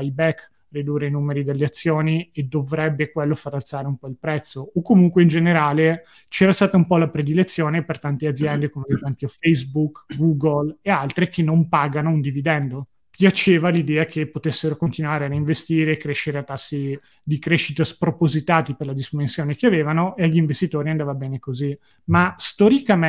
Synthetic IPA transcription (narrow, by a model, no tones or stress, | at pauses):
ajbɛk | rid̪uːreinuːmeɾid̪elːeat̪sːjoːnied̪ovɾɛbːekwelːofaɾalt̪saːɾeumpɔilpɾɛt̪sːoːkːomuŋkweind͡ʒeneɾaːle | t͡ʃɛːɾast̪aːt̪aumpɔlapɾed̪ilet̪sːjoːnepert̪ant̪ead̪zjɛnd̪ekomed̪et̪aŋkofejsbukɡuːɡolealt̪ɾekʰenːompaːɡanoind̪ivid̪ɛnd̪o | pjat͡ʃeːvalid̪ɛːakʰepːot̪esːeɾokont̪inwaːɾeaɾiiɱvest̪iːɾeːkːɾeʃːeɾeat̪ːasːi | d̪ikɾeʃːit̪aspɾopozit̪aːt̪iperlad̪izmensjoːnekeaveːvanoeʎːiɱvest̪it̪oːɾiand̪aːvabɛːnekozi | mast̪ɔɾikam